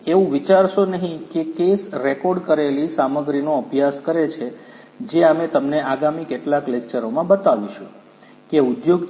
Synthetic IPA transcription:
eʋũʋit͡ʃaɾʃonəɦĩkekesɾekɔɾɖkəɾelisaməɡɾinoəbʱjaskəɾet͡ʃʰe | d͡ʒeamet̪əmneaɡamikeʈlaklekt͡ʃəɾomãbət̪aʋiʃũ | keud̪joɡ

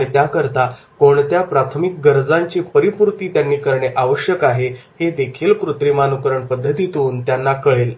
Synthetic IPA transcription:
it̪jakəɾt̪a | koɳt̪japɾat̪ʰəmik̚ɡəɾd͡zaɲt͡ɕiːpəɾipuɾt̪iːt̪janːiːkəɾɳeʔaʋəɕjəkaɦehed̪ekʰiːlkɾut̪ɾimanukəɾəɳpəd̪ʱːət̪it̪uːnt̪janːakəɭel

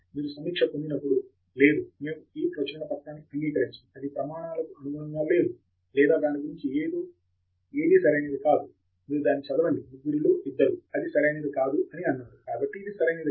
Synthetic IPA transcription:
miːɾusɐmiːkʂɐpond̪inɐpːuɽu | le̞ːd̪umeːmuiːpɾɐt͡ʃɐnɐpɐʈɳaːnːiɐnɡiːkɐɾiɲt͡ʃɐiɐd̪ipɾɐmaːɳaːlɐkuɐnuʋɐnɐŋɡaːle̞ːd̪u | lɛːd̪aːd̪aːniɡuɾiɲt͡ʃieːd̪o | e̞ːd̪isɐɾɐjneːd̪ikaːd̪u | miːɾud̪aːnːit͡ʃɐd̪ɐʋɐɳɖimuɡuɾiloːʔid̪ːɐɾuɐd̪isɐɾɐjneːd̪ikaːd̪uʔɐniɐnːaːɾukaːbɐʈːid̪isɐɾɐjneːd̪i

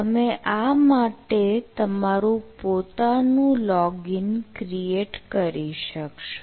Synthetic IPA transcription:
əmeʔamaʈet̪əmaɾũpot̪anũlɔɡinkɾieʈkəɾiʃəkʃo̥

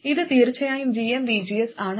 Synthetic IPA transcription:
iðɨt̪iːɾt͡ɕːɐjaːjimd͡ʑiembid͡ʑiesaːɳ

